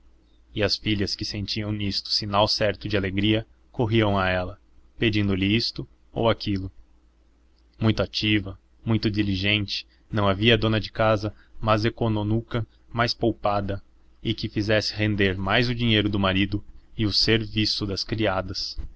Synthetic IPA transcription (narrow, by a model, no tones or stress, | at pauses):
ɪɐsfiʎʲɐskɪsẽnt͡ʃiɐ̃w̃nist̪ʊ̥sinawsɛɾt̪ʊd͡ʒɪaleɡɾiɐ | koɦiɐ̃w̃aɛlɐ | ped͡ʒĩnd̪ʊlɪist̪ʊ | o̰wakʰilʊ | mũj̃t̪ʊat͡ʃivɐ | mũj̃t̪ʊd̪iliʒẽnt͡ʃɪ̥ | nɐ̃w̃aviɐd̪õnɐd͡ʒɪkazɐ | mɐzekononukɐ | majspowpad̪ɐ | ɪkɪfizɛsɪ̥ɦẽnd̪eɾmajzʊd͡ʒiɲejɾʊd̪ʊmaɾid̪ʊɪʊseɾvisʊd̪ɐskɾiad̪ɐs